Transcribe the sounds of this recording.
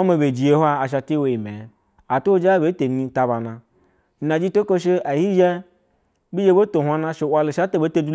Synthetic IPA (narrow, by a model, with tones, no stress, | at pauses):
a˦me˧be˨d͡ʒi˨je˦hʷa˦a˨ʃ̬a˧ti˦wo˨i˨me˨˦ | a˨to˦o˦d͡ʒa˦be˨˦te˨ni˧ta˧ba˨nã˧˨ | na˨d͡ʒi˦to˦ko˦ʃ̬e˦a˨hi˦ʒe˦ | bi˦ʒe˧˦bo˦to˨hʷa˧nã˧ʃe˧wʷa˧lo˨ʃa˦to˦be˨˦to˧du˦